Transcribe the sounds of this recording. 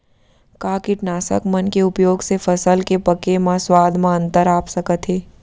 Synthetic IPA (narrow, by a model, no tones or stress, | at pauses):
kaːkiʈnaːsə̰kmɐnkeʊpjoːɡsefɐsəlkepɐkemãswaːd̪ʱmãə̃nt̪əɾaːpsɐkət̪ɦeː